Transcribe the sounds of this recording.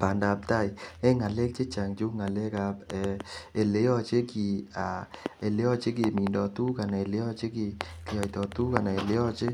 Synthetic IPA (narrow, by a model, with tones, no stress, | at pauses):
pa˨nda˨p̚ta˦˨i˨ɛ˦ŋa˨le˦k̚t͡ʃe˦t͡ʃa˨ŋt͡ʃu˦ŋa˨le˦ka˨pɛ˨e˨le˨˦ɔ˦t͡ʃe˦ki˨a˨e˨le˦ɔ˦t͡ʃe˦ki˨mi˨ndɔ˨tu˦ka˨na˨e˨le˦ɔ˦t͡ʃe˦ki˨ke˨ɔ˨jtɔ˨tu˦ka˨na˨e˨le˦ɔ˦t͡ʃe˦